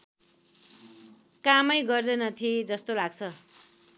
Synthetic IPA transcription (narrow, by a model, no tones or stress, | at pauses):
kamʌjɡʌrd̪enʌt̪ʰied͡zʌst̪olaɡt͡sʰʌ